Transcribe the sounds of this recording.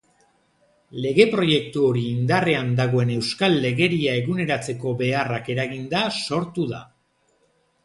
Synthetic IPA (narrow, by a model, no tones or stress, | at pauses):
le̞ɣe̞pɾo̞je̞k̚t̪uo̞ɾiːnd̪are̞and̪aɣ̞o̞e̞ne̞wskalːe̞ɣe̞ɾiae̞ɣune̞ɾat͡se̞ko̞be̞arake̞ɾaɣind̪aso̞ɾt̪uða̰